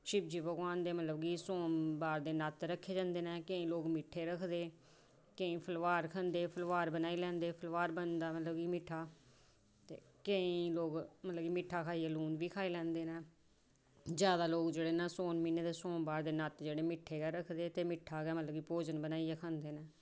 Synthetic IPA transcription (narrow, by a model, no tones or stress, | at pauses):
ʃɪb̚d͡ʒiːbəɡãːnd̪eːmət̪ləbɡiːsõːbaːɾd̪eːnət̪ɾəkʰːeːd͡ʒãːnd̪eːnɛ̃ːkəĩːloːɡmɪʈʰeːɾəkʰd̪eː | keĩːpʰəlʋaːɾkʰənd̪eːpʰəlʋaːɾbənaːiːlɛ̃ːnd̪eːpʰəlʋaːɾbənd̪aːmət̪ləbɡiːmɪʈʰaː | t̪eː | kəĩːloːɡmət̪ləbɡiːmɪʈʰaːkʰaːiːaːluːnʋiːkʰaːiːlɛ̃ːnd̪eːnɛː | zjaːd̪aːloːɡd͡ʒeːɽeːnãːsoːnmiːneːd̪eːsõːmbaːɾd̪eːnət̪d͡ʒeːɽeːmɪʈʰːeːɡɛːɾəkʰd̪eːt̪eːmɪʈʰːaːɡɛːmət̪ləbɡiːpoːd͡ʒənbənaːijaːkʰə̃nd̪eːnɛː